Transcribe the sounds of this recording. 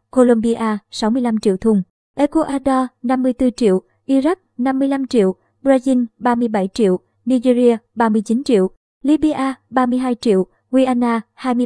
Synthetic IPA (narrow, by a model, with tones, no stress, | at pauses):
ko˧lo˧mɓi˧ʔaː˧sa˨˦wmɨ˧əjla˧mt͡ɕḭ˧˨wt̪ʰʊ˧ŋ͡m | ʔe˨˧˦ko˧ʔaː˧ɗɔ˧na˧mːɨ˧əjt̪ɨ˧t͡ɕḭ˧˨əw | ʔi˧za˦˥k̚na˧mːɨ˧əjla˧mt͡ɕḭ˧˨əw | bɾaː˧zi˧nɓaː˧mɨ˧əjɓa˧˩jt͡ɕḭ˧˨əw | ni˧zi˧zi˧əɓaː˧mɨ˧əjt͡ɕi˨˦nt͡ɕḭ˧˨əw | li˧ɓi˧ʔaː˧ɓaː˧mɨ˧əjɦaː˧jt͡ɕḭ˧˨əw | ɣwi˧ʔaː˧naː˧haː˧jmɨ˧